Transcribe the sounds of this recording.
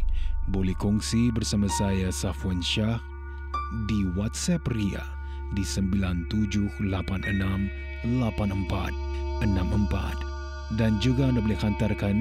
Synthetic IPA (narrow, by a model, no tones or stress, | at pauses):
bolɛhkɔŋsibərsamasajasafuanʃah | diwat̪sɛpria̰ | disəmbilant̪ud͡ʒʊhlapanənam | lapanəmpa̰t̪̚ənamʔəmpa̰t̪̚ | dand͡ʒuɡaəndabolɛhant̪arkan